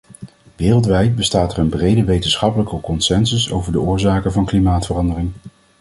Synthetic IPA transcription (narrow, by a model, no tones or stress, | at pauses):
ʋɪːrəlˠtʋɛjt̚bəstaːtərənbrejdəʋejtənsχɑpələkəkɔnsɛnsəso̰wvəɹdəʊːɹzaːkəvɑnklimaːtfərɑndərɪŋ